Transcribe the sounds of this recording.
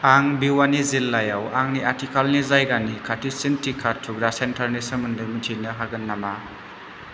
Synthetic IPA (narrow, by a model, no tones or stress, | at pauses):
aŋbiwanizilːajawaŋniaɾtikʰalnizajɡanikʰatʰisintʰikʰːatʰuɡɾasentʰaɾnisɐmɯndɯjmitʰinɯɦaɡɯnːama